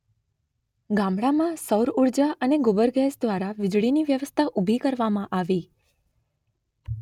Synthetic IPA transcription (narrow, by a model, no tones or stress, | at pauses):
ɡãmɽamãsəwɾuɾd͡ʒaʔəneɡubəɾɡɛsd̪ʋaɾaʋɪd͡ʒɭiniʋjəʋəst̪ʰaʔubʱikəɾʋamãʔaʋi